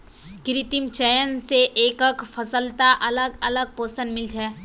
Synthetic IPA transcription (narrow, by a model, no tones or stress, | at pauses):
kɪɾɪt̪imt͡ʃɛjənseʔeːkəkfʰəsəlt̪aʔɐləɡɐləɡ̚poːsə̃nmɪld͡ʒɛː